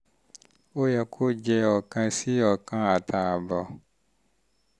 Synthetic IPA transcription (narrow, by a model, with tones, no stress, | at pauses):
o˦jɛ˧kʰo˦d͡ʒɛ˧ɔ˨kã˧si˦ɔ˨kã˧a˨ta˨bɔ˨